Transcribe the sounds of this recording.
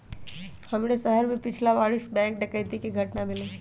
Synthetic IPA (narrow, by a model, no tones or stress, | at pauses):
hɐmnesəɦəɾmẽpɪt͡ʃʰlaʋaːɭisbɛ̃ːŋkɖɪkəɪt̪ikeɡʱɐʈnamɪleː